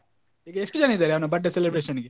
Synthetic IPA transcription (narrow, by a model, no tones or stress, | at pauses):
ɦiːɡeeʂʈud͡ʒɐnɐid̪aːɾeɐʋɐnɐbɐɖːɐselebɾeʃɐnɡe